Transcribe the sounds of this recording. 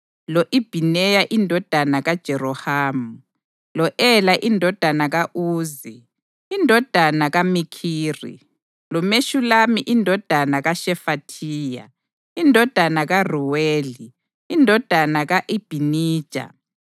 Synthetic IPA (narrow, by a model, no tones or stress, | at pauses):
lɔʔib̥ʱinɛjaʔindʱɔd̥ʱanaɣad̥ʒ̥ʱɛrɔhaːmu | lɔʔɛlaʔindʱɔd̥ʱanaɣaʔuːzi | indʱɔd̥ʱanaɣamikʰiːrḭ | lɔmeʃulamiʔindʱɔd̥ʱanaɣaʃɛfatʰiːja̰ | indʱɔd̥ʱanaɣaruweːliː | ndʱɔd̥ʱanaɣaʔib̥ʱiniːd̥ʒ̥ʱʼa̰